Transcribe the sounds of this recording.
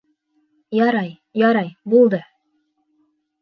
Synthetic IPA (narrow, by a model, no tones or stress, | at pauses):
jɑɾɑj | jɑɾɑjbulˠd̪ɤ